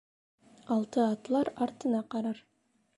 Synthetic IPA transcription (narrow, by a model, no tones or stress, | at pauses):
ɑlˠt̪ɤɑt̪lˠɑɾɑɾt̪ɤ̆nɑqɑɾɑɾ